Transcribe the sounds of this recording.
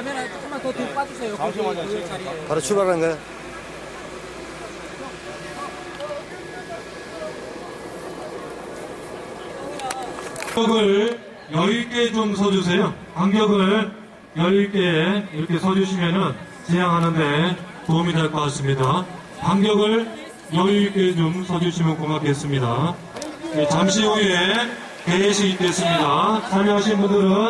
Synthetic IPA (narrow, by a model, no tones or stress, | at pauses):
tot̪op͈ad͡ʑusʰejo | kaɾot͡ɕʰubaɡanɡajo | ʌɡɯɭ | jʌiɭk͈e̞t͡ɕoms̬ʰʌd͡ʑus̬ʰe̞jo | paŋɡjʌɡɯɭ | jʌiɭk͈e̞iɾʌkʰe̞sʰʌd͡ʑuɕʰimjʌnɯn | t͡ɕejaŋɦanɯnde̞ | toumidaɭk͈ok͈as͈ɯmɲida | paŋɡjʌɡɯɭ | jʌiɭk͈e̞t͡ɕomsʰʌd͡ʑuɕʰimjʌnkoŋakes͈ɯmɲida | et͡ɕamɕʰiue | keeɕʰiik͈e̞s͈ɯmɲidasʰaɭmjʌɦaɕʰinbundɯɾɯn